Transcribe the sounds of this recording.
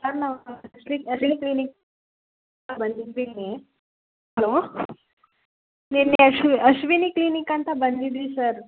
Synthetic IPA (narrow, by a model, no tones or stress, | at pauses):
səɾnasliəɕiniklinik̚ | abənd̪ʱit̪ʋine | ɦəlo | neneəɕiəɕʋiniklinikant̪abənd̪it̪ʋisəɾ